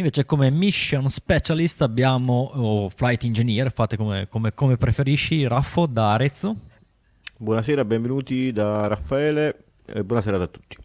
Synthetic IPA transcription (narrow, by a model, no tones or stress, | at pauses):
iɱveːt͡ʃekomemiʃonspet͡ʃalist̪abːjaːmoflajt̪ind͡ʒeniːɾefaːt̪ːekomḛkomekomepɾefeɾiʃːiɾafod̪aːɾet̪s | bwɔːnaseːɾabɛ̃ɱvenuːt̪id̪arafːaɛːle | ḛbːwɔːnaseːɾad̪at̪ːu̥t̪ːi̥